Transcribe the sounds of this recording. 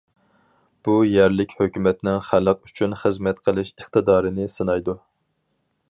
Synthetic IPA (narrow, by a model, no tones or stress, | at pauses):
b̥ujæɾlɪkʲhøkʲymɛt̪nɪŋχælˠəqyt͡ʃʰynχəzmɛt̪qʰəlˠɨʃəχt̪ɨd̪ɑːɾɨnɪsɨnɑjd̪u